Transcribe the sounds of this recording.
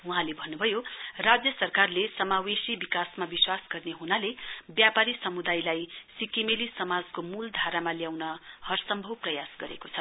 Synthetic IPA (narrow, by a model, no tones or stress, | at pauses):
wuɦãlebʱʌnːubʱʌjorad͡zjʌsʌrkarlesʌmawesibikasmabiswasɡʌrneɦunalebjapaɾisʌmud̪ajlajsikimelisʌmad͡zkomuld̪ʱaɾamaljawnʌhʌrsʌmbʱʌwprʌjasɡʌɾḛkot͡sʰʌ